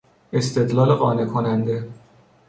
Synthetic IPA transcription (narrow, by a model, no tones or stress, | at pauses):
e̞st̪e̞d̪lɒːleɣɒːne̞kʰonænd̪e̞